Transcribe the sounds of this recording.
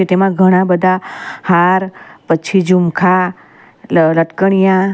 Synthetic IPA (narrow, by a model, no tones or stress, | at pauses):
et̪emãɡʱəɽ̃ãbəd̪ʱahaɾpəːt͡ʃʰid͡ʒumkʰa | ləʈkəɳ̃ijã